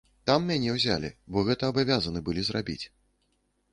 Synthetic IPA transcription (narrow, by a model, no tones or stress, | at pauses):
t̪amːʲanʲɛwzʲa̰lʲḭbɔɣɛt̪ɐːbavʲazɐnɨbɨlʲizrabʲḭt͡sʲ